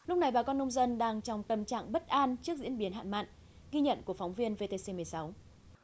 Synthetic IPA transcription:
lʊ˥k͡p̚na˨˩jɓaː˨˩kɔ˧nːə˧wŋ͡mzə˧nɗaː˧ŋt͡ɕɔ˧wŋ͡mt̪ə˨˩mt͡ɕa̰ː˧˨ŋɓə˦˥t̚ʔaː˧nt͡ɕɨ˦˥ək̚zḭ˧˥ənɓi˨˦ənɦa̰ː˧˨nma̰ː˧˨n | ɣi˧ɲə̰˧˨nku˧˩əkfɔ˨˦wŋ͡mvi˧ənve˧t̪e˧se˧mɨ˨˩əjsa˨˦w

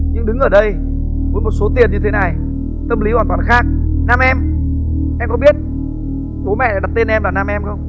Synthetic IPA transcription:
ɲɨ˧ŋɗɨ˨˦ŋʔəː˧˩ɗə˧j | mu˨˦nmo˨˩t̚so˨˦t̪i˨˩ənɲɨ˧t̪ʰe˨˦na˨˩j | t̪ə˧mli˨˦hwaː˧˩nt̪waː˨˩nxaː˦˥k̚naː˧mʔɛ˧m | ʔɛ˧mkɔ˨˦ɓi˦˥ət̚ | t͡ɕo˨˦mɛ̰˧˨laː˧˩a˨˩t̪e˧nʔɛ˧mlaː˨˩naː˧mʔɛ˧mxə˧wŋ͡m

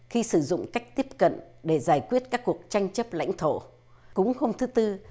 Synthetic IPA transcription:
xi˧sɨ˧˩zʊ̰˧˨ŋ͡mka˦˥jk̟̚t̪i˦˥əp̚kə̰˧˨nɗe˧˩zaː˧˩jkwi˦˥ət̚kaː˦˥kːu˨˩ək̚t͡ɕa˧jŋ̟t͡ɕə˦˥p̚la̰˧˥jŋ̟t̪ʰo˧˩ | kʊ̰˧˥ŋ͡mho˧mt̪ʰɨ˨˦t̪ɨ˧

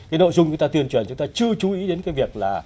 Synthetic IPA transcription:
kaː˨˦no̰˧˨jzʊ˧ŋ͡mt͡ɕʊ˨˦ŋ͡mt̪aː˧t̪i˧ənt͡ɕwə˨˩nt͡ɕʊ˨˦ŋ͡mt̪ːt͡ɕɨ˧ət͡ɕu˨˦ʔi˨˦ɗe˨˦nkaː˨˦jvi˨˩ək̚laː˨˩

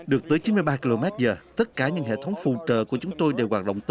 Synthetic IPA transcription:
ɗɨ˨˩ək̚t̪əː˨˦jt͡ɕi˨˦nmɨ˧jɓaː˧ki˧lo˧mɛ˦˥t̚zəː˨˩t̪ə˦˥t̚kaː˧˩ɲɨ̰˧˥ŋɦḛ˧˨t̪ʰə˨˦wŋ͡mfṵ˧˨t͡ɕəː˧˨ku˧˩ət͡ɕʊ˨˦ŋ͡mt̪o˧jɗe˨˧˩waː˨˩t̚ɗə̰˧˨wŋ͡mt̪

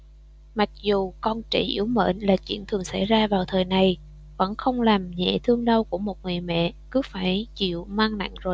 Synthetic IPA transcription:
ma˨˩k̚zu˨˩kɔ˧nt͡ɕḛ˧˩ʔḭ˧˩əwmə̰ː˧˩nlaː˨˩t͡ɕḭ˧˥ənt̪ʰɨ˨˩əŋsa˧˩jzaː˧vaː˨˩wt̪ʰəː˨˩jna˨˩j | və̰˧˥nxə˧wŋ͡mlaː˨˩mɲɛ̰˧˨t̪ʰɨ˧əŋɗə˧wku˧˩əmo˨˩t̚ŋɨ˨˩əjmɛ̰˧˨kɨ˨˦faː˧˩jt͡ɕḭ˧˨əwmaː˧ŋna̰˧˨ŋ̟zo˨˩j

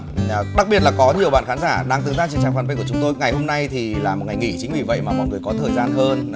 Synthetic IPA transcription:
ɗa˨˦˥k̚ɓi˨˩ət̚laː˨˩kɔ˨˦ɲi˨˩əwɓa̰ː˧˨nxaː˨˦nzaː˧˩ɗaː˧ŋt̪ɨ˨˩ŋzaː˧t͡ɕi˧˨nt͡ɕaː˨˩ŋfaː˧˩nɓə˧jku˧˩˨t͡ɕʊ˨˦ŋ͡mt̪o˧jŋa˨˩jho˧mna˧jt̪ʰi˨˩laː˨˩m˨˩t̚ŋa˨˩jŋḭ˧˩t͡ɕï̟˨˦vi˨˩və̰˧˨jmaː˨˩mɔ̰˧˨jŋɨ˨˩əjkɔ˨˦t̪ʰəː˨˩jzaː˧nɦəː˧n

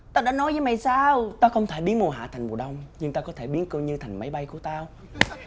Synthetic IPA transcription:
t̪aː˧ɗaː˧˥nɔ˨˦jvəː˨˦jma˨˩jsaː˧wt̪aː˧xə˧wŋ͡mt̪ʰe˧˩ɓi˨˦ənmu˨˩ɦa̰ː˧˨t̪ʰŋ̟mu˨˩əɗə˧wŋ͡mɲɨ˧ŋt̪aː˧kɔ˨˦t̪ʰe˧˩ɓi˨˦ənkɨ˧ɲɨ˧t̪ʰa˨˩jŋ̟ma˨˦jɓa˧jku˧˩ət̪aː˧

